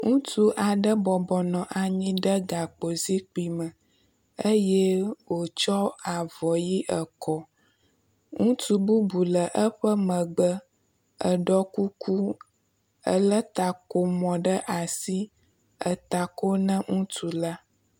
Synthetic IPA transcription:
ŋũ˦tu˦ʔa˨ɖə˦bɔ˨bɔ˨nɔ̃˨ʔa˨ɲĩ˦ɖə˦ɡa˨k͡po˨zi˦k͡pi˨mə̃˨ | ə˦jɛ˦wo˨t͡ʃɔ˦a˨vɔ˨ji˦ʔə˨kɔ˦ | ŋũ˦tu˦bu˦bu˨lə˨ʔə˦ɸə˦mə̃˨ɡ͡bə˦ | ə˨ɖɔ˦ku˦ku˦ | ə̰˦lə˦t̪a˨ko˨mɔ̃˨ɖə˦ʔa˨si˦ | ə˨t̪a˨ko˦nə̃˦ŋũ˦tu˨la˦

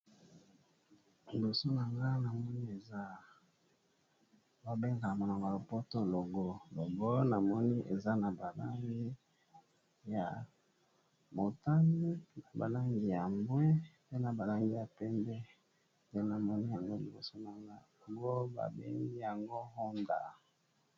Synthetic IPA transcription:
mi˨bo˨so˦na˨ŋɡa˦na˨mɔ˦ni˦e˨za˦ | ba˨be˦ŋɡa˨mo˨no˨ŋɡa˨lo˨po˦to˦lo˨ɡo˦lo˨ɡo˦na˨mɔ˦ni˦ʔḛ˨za˦na˨ba˨la˦ŋɡi˦ | ja˨ | mo˨ta˦ni˦na˨ba̰˨la˦ŋɡi˨ja˨mbwɛ˦pe˦na˨ba˨la˦ŋɡi˦ja˨pɛ˦mbɛ˦ | nde˦na˨mɔ˦ni˦ja˨ŋɡo˦li˨bo̰˨so˦na˨ŋɡa˦˨ɡo˦ba̰˨bḛ˦ŋɡi˦ja˨ŋɡo˦ho˦nda̰˨

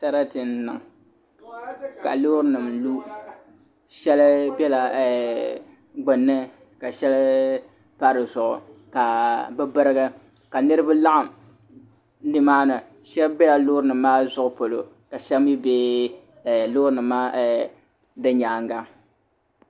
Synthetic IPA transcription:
ta˦ɾa˦tɨ˨n˨nɨ˨ŋ | ka̰˨loː˦ɾɨ˦nɨ˨mlu˦ | ʃɛ˦lbɛ˦la˨ɛ˨ | ɡ͡bʊ˨nːɨ˦ | ka˨ʃɛ˦l | pa˦ɾɨ˨zʊ˨ʔʊ̰˨ka˨bɛ˦bɨ˦ɾɨ˦ɡɨ˦ | ka˨nɨ˦ɾɨ˦ba˦la˦ʔa˨m | lɨ˦maː˦nɨ˨ | ʃɛ˦lbɛ˦la˨loː˦ɾɨ˦nɨ˨maː˦zʊ˦ʔʊ˨po˨lo˨ | ka˨ʃɛ˦m˦i˦be˦˨ | lo˦ɾɨ˦nɨ˨mːaː˦˨ | dɨ˦ɲaː˨ŋɡa˦

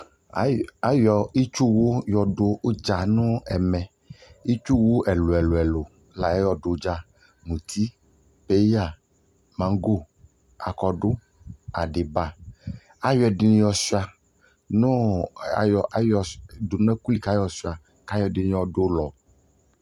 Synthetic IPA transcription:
a˨jɔ˨i˦t͡ʃu˦wo˦jɔ˨ɖo˦o˦d͡ʒa˨nũ˦ɛ˨mɛ̃˨ | i˦t͡ʃu˦wo˦ʔɛ˨lo˨ɛ˨lo˨ɛ˨lo˨ | la˨ɛ˦jɔ˨ɖo˨˦d͡ʒa˦ | mũ˨t̪ʰi˦ | pe˨˦ja˨ | mã˨ŋ˦ɡo˦˨ | a˨kɔ˨ɖo˦ | a˨ɖe˨ba˨ | a˦jɔ˨di˨n˦jɔ˨si˦a˨ | nõ˦˨jɔ˨a˦jɔ˨do˨n˦ɛ˦ku˦li˨ka˦jɔ˨si˦a˨ | ka˦jɔ˨di˨˦n˦jɔ˨ɖo˦lɔ˨

